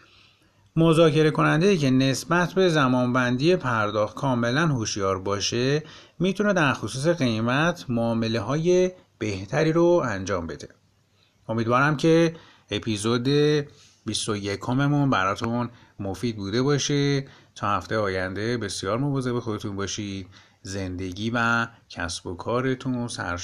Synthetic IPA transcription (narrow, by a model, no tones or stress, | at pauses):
mo̞zɒːcʰe̞ɾe̞kʰo̞nænd̪e̞jiːcʰe̞ne̞sbæt̪ʰbe̞zæmɒːnbænd̪ije̞pʰæɾd̪ɒːxt̪kʰɒːme̞lænhoʃjɒːɾbɒːʃe̞ | mit̪ʰune̞d̪æɾxosuːs̬e̞ɣe̞jmæt̪ʰmoːme̞le̞ɦɒːje̞ | b̥e̞ht̪ʰæɾiːɾoænd͡ʒɒːmbe̞d̪e̞ | o̞miːd̪vɒːɾæmcʰe̞ | epʰizod̪e̞ | bist̪ojekʰo̞me̞munbæɾɒːt̪ʰun | mofiːd̪̚buːd̪e̞bɒːʃe | t̪ʰɒːhæft̪e̞jɒːjænd̪e̞be̞sijɒːɾmo̞vɒːze̞be̞xo̞d̪e̞t̪ʰunbɒːʃiːd̪̥ | ze̞nd̪e̞ɟiːvæcʰæ̰sbo̞kʰɒːɾe̞t̪ʰunsæ̰ɾ